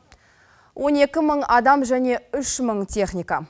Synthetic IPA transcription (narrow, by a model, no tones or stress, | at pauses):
wʔo̞ne̞kʲɪməɴɑd̪ɑmʒæne̞ʏʃməɴt̪ʲʰe̞χnʲijka